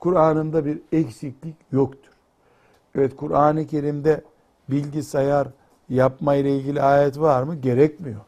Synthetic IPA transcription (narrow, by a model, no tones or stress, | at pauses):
kʰuɾaːnɯmd̪abiɾɛcsiclʲicjokt̪ʰu̥ɾ̥ | ɛvɛt̪kʰuɾaːnɯcʰe̞ɾimd̪ɛ | bilʲɟisajaɾ | japmajlˠailʲɟʲilʲiaːjɛt̪vaɾmɯɟe̞ɾɛcmijo